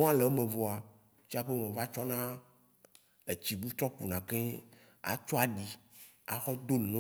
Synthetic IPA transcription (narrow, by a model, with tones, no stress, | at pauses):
ɔ̃˦a˦le˨˦mẽ˨vɔ˨a˨ | t͡ʃi˦a˦ɸe˦mẽ˨va˦t͡ʃɔ˦nã˦ | e˨t͡ɕi˨bu˦t̪ɾɔ˦k͡pu˨nã˨ke˦ | a̰˨t͡ʃɔ˦a˨ɖi˨ | a̰˨xɔ˦d̪o˦lnɔ̃˦